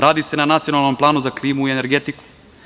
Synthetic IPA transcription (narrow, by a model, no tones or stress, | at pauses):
ɾaːd̪isenanat̪sijonalˠno̞mplˠaːnuzakliːmuieneɾɡet̪iku̥